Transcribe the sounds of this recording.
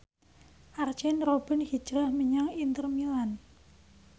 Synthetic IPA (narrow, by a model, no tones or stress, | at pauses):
ʔart͡ʃɛnrob̥ə̤nhi̥d͡ʒɾahmiɲaŋint̪ərmilan